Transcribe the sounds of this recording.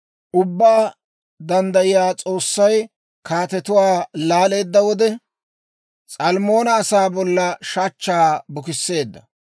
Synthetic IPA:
ʔʊbːaː | d̪ɐnd̪ɐjɪjaːt͡sʼo̞ːsːɐj | kaːt̪ɛt̪ʊwaːlaːle̞ːd̪ːɐwɔd̪ɛ | t͡sʼɐlmo̞ːnɐːsaːbɔlːɐʃat͡ʃːaːbʊkɪsːe̞ːd̪ːɐ

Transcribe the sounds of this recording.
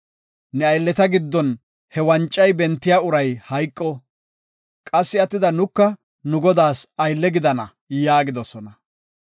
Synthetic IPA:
nɛɐjlːɛt̪ɐɡɪd̪ːɔn | hɛwɐnt͡ʃʼːɐjbɛnt̪ːɪjaːʊɾɐjhɐjkʼːɔ | kʼɐsːɪɐt̪ːɪd̪ɐnʊkːɐ | nʊɡɔd̪aːsɐjlːɛɡɪd̪ɐnɐ̰ | jaːɡɪd̪ɔsɔnɐ

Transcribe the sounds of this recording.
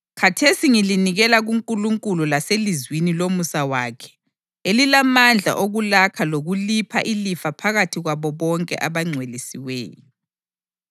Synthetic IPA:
kʰatʰesiŋiliniɣɛlaɣuŋkʼuluŋkʼululaselizwinilomusawaːkʰɛ̥ | elilamand͡ɮʱa̰ʔoɣulakʰaloɣulipʰa̰ʔilifapʰaɣatʰiɣwaβɔβɔŋkʼɛ̰ʔaβaŋ͡ǀʱwelisiwɛ̰ːjɔ

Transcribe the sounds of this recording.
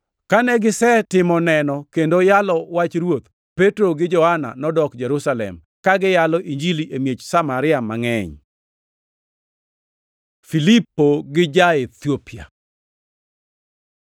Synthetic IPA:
kanɛɡɪsɛtɪmɔnɛnɔkendojalɔwat͡ʃɾwot̪ | petɾoɡɪd͡ʒɔhana̰nɔdɔkd͡ʒɛɾusalɛ̰m | kaɡɪjalɔʔiɲd͡ʒiliʔemjet͡ʃsamaɾɪamaŋɛɲ | filipːoɡɪd͡ʒaet̪jopɪa̰

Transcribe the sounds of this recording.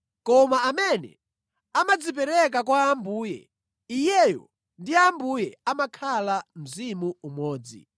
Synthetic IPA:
kɔmaamɛnɛ̰ | amad͡zip̬ɛɾɛk̬akwaːmbuːjɛ̰ | ijɛjɔ̰ | ndiambujɛamakʰalam̩zimuumɔːd͡zḭ

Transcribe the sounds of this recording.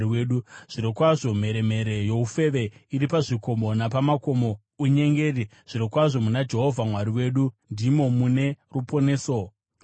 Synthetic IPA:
iweːɗuʐ̥iɾokwaʐo̞m̤e̞ɾe̞me̞ɾe̞jo̞ufe̞ʋe̞iɾipaʐiko̞mo̞napamako̞mo̞ | uɲe̞ŋɡe̞ri | ʐ̥iɾokwaʐo̞munad͡ʒe̞ɦo̞vʱamwaɾiwe̞ːɗundimo̞mune̞rupo̞ne̞ːso

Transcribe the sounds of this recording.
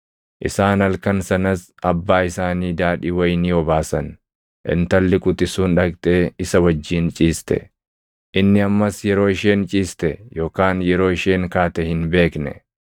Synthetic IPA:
ʔɪsaːnɐlkɐnsɐnɐs | ɐbːaːɪsaːniːd̪aːᶑiːwɐjniːwɔbaːsɐn | ʔɪ̰nt̪ɐlːɪkʼʊt̪ɪsuːnᶑɐkt̪ʼeːɪsɐwɐd͡ʒːiːnt͡ʃʼiːst̪ɛ̰ | ʔɪnːɪɐmːɐsjɛɾo̞ːɪʃeːnt͡ʃʼiːst̪ɛjo̞ːkaːnjɛɾo̞ːɪʃeːŋkaːt̪ɛhɪnbe̞ːknɛ̰

